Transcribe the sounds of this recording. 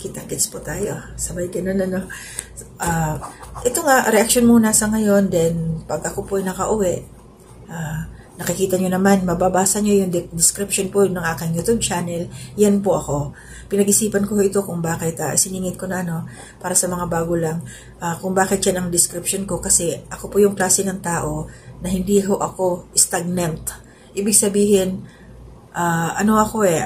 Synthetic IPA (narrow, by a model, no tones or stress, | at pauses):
kɪt̪ɐkɪt̪spʊt̪aːjo̞sɐbajɡɐno̞nɐno̞ | ʔaːʔɛt̪o̞ŋaʔɾɛʔɐk̚ʃonmonaːsɐŋɐjo̞nd̪ɛnpɐɡʔɐko̞poʔɐjnɐkɐʔʊwɛʔ | ʔaː | nɐkɪkiːt̪ɐɲonɐmanmɐbɐbaːsɐɲo̞jʊŋd̪d̪ɪskɾɪpʃonponɐŋʔaːkɪŋjʊt̪ont͡ʃaːnɛljanpoʔɐko̞ | pɪnɐɡʔɪsiːpɐnkohoʔɪt̪o̞kʊŋbaːkɪt̪ɐ̰ʔsɪniːŋɪnko̞nɐʔɐno̞ | paːɾɐsɐmɐŋabaːɡolɐŋ | ʔakʊŋbaːkɪt̪̚janɐŋd̪ɪskɾɪpʃonko̞kɐsɛʔɐko̞pojʊŋklaːsɛnɐŋt̪aːʔo̞nɐhɪnd̪iːɦo̞ʔɐko̞ʔɪst̪aɡ̚nɛnt̪ | ʔiːbɪɡsɐbiːhɪn | ʔaːʔɐno̞ʔɐko̞ʔɛ